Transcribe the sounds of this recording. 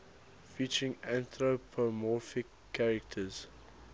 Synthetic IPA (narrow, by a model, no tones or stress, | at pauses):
fiˑt͡ʃəɹɪ̃ŋæ̃ntɹopʰomɔfɪkʰːaɹɛk̚tʰəz̥